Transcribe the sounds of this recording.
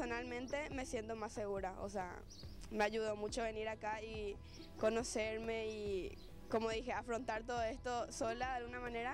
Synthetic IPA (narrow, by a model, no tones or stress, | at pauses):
onalmẽnt̪e̞me̞sje̞nt̪o̞masːe̞ɣuɾaʔo̰sea̰ | me̞aʝuð̞o̞mũt͡ʃoβe̞niɾakai | kono̞seɾme̞i | ko̞moðixe̞afɾo̞nt̪aɾt̪oðoest̪o̞solaðejalɣunamãne̞ɾa